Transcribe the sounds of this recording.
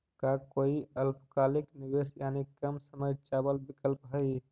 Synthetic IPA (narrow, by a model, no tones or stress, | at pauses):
kakoiəlpkaliknibesjanikəmsəməjt͡ʃabəlbikəlpɦəj